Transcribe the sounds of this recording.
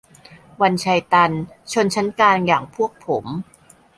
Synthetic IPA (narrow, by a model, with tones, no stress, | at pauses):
wa˧nt͡ɕʰa˧jt̪a˧n | t͡ɕʰo˧nt͡ɕʰa˦˥nkaː˧njaː˨˩ŋpʰu˥˩ək̚pʰːo˩˦m